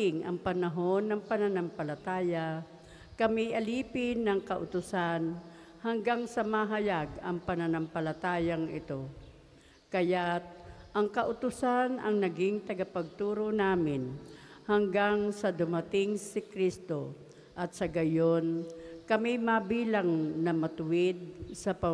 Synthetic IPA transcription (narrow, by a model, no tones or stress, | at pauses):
ɪŋʔɐ̰ŋpɐnɐɦo̞nːɐŋpɐnɐnɐmpɐlɐt̪aːja | kɐmiʔɐliːpɪnːɐŋkɐʔʊt̪ʊsan | hɐŋɡaŋsɐmaɦɐjaɡɐŋpɐnɐnɐmpɐlɐt̪aːjaŋʔɪt̪o̞ | kɐjat̪̚ʔɐŋkɐʔʊt̪ʊsanʔɐ̰ŋnɐɡɪŋt̪ɐɡɐpɐɡ̚t̪uːɾonaːmɪn | hɐŋɡaŋsɐd̪ʊmɐt̪ɪŋsɪkɾist̪o̞ | ʔɐt̪sɐɡɐjonkɐmɪmabiːlaŋnɐmɐt̪ʊwɪd̪̚sɐpɐ